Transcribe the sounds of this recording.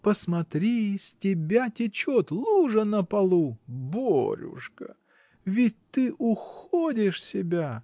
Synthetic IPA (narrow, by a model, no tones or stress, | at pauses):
pəsmɐt̪ɾʲisʲtʲɪbʲatʲɪt͡ɕot̪lˠuʐənəpɐlˠubo̰ɾʲʊ̰ʂkə̰ | vʲɪt̚ʲt̪ɨʔʊxodʲɪʂsʲɪbʲa